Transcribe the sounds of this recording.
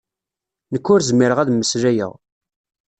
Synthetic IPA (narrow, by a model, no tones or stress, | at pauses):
nəkːʊɾzəmːɪɾəʁæðməsɾæjə̰ʁ